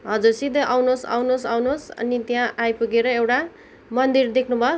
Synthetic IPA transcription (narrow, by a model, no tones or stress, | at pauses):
ɦʌd͡zursid̪ʱʌʔawnosa̰wnosawnosʌ̰nit̪jãʔajpuɡeɾʌewʈa | mʌnd̪ird̪ekʰnubʱʌ